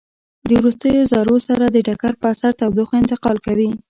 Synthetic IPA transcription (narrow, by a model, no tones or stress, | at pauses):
d̪əwɾust̪əjozɑɾosaɾad̪əɖakaɾpəasaɾt̪awd̪oxɪnt̪ɪqɑlkawi